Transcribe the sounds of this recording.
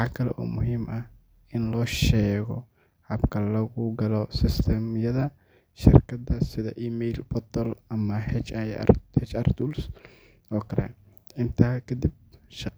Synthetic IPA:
ħɑkʰɐlɛ̰ʔɔːmʊɦiːmʔɐh | ɪnlɔːʃɛːɣɔ̰ | ħɑbkʰɐlɐɣʊɡɐlɔsɪst̪ʰɛmjɐðɐ | ʃɪ̰rkʰɐd̪ɐsɪðɐ̰ʔiːmɛjlbɔt̪ʰɔlɐmɐhɛt͡ʃaj̰hɛt͡ʃɐrt̪uls | ʔɔːkʰɐɾɛ̰ | ɪnt̪ʰaːkʰɐd̪ib̚ʃɑ

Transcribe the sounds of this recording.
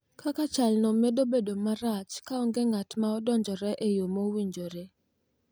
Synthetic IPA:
kakat͡ʃalnɔmedobedomaɾat͡ʃkaɔŋɡeŋatmaɔdɔɲd͡ʒɔɾɛʔejomowiɲd͡ʒoɾe

